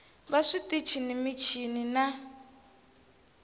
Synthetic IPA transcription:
βaʂitit͡ʃʰinimit͡ʃʰinina

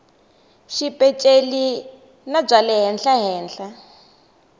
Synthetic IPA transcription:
ʃipʼɛt͡ʃʼeli | nab͡ʐalɛɦɛnɬaɦɛːnɬa

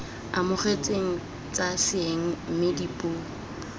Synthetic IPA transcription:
amʊχet͡sʼeŋ̩ | t͡sʼasɪeŋ̩m̩mɪdipʼuː

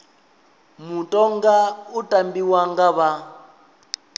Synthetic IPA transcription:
mutʼɔŋɡautʼambiwaŋɡaβa

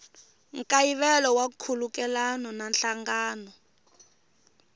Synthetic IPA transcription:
ŋkʼajiβɛlɔwakʰulukɛlanɔnanɬaŋɡaːnɔ

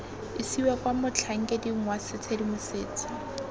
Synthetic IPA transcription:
ɪsiwakwamʊt͡ɬʰaŋ̩kʼediŋ̩wasɪt͡sʰedimʊsɪːt͡sʰḁ

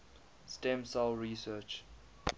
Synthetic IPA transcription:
stɛ̃msalɹisɜːt͡ʃ

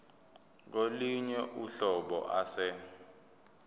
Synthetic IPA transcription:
k̬oliɲɛʔuɬɔɓɔ̰ʔasɛ

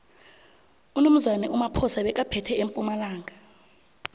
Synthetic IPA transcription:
unum̩zanɛumapʰɔsaɓɛk̬ʼapʰɛtʰɛempʼumalaːŋʱa

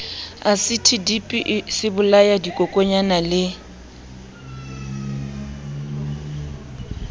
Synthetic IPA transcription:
asɪtʰidipʼiʔsɪbʊlajadikʼokʼoɲanalɪ

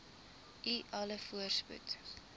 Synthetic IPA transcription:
iʔɐləfuərspṵt

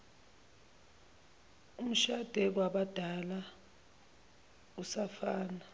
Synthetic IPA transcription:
um̩ʃad̥ʱɛk̬waɓad̥ʱala | usafaːna

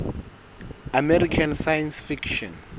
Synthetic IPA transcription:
amɛɾikʰansajansfikʃɔ̰̃n

